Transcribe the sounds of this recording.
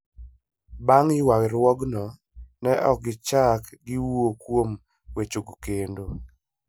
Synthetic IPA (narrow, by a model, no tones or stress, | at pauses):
baŋɪwakɾwɔɡnɔ | nɛʔɔk̚ɡɪt͡ʃakɡɪwokwom | wet͡ʃoɡkendo